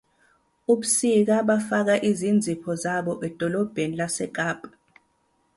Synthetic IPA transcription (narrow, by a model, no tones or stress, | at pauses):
uɓusik̬aɓafak̬aʔizind͡zʱipʰɔzaɓɔʔɛd̥ʱɔlɔb̥ʱenilasɛkaːb̥ʱḁ